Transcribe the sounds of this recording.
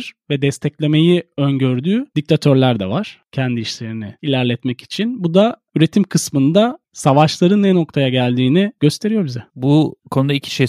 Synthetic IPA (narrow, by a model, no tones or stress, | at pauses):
ɾ̥vɛd̪ɛst̪ʰɛclʲe̞me̞jiønɟøɾd̪yːd̪̥ic̚t̪ʰat̪ʰø̞ɾlʲæɾd̪ɛ̰vaɾ̥cʰɛnd̪iiʃlʲe̞ɾinɪilʲæɾlʲɛt̪mɛci̥t͡ʃʰinbud̪a | yɾe̞t̪ʰimkʰɯsmɯnd̪a | savaʃlˠaɾɯnːɛno̞k̚t̪ʰajaɟælʲd̪iːniɟø̞st̪ʰe̞ɾijo̞ɾbizɛbukʰo̞nud̪aicʰi̥ʃe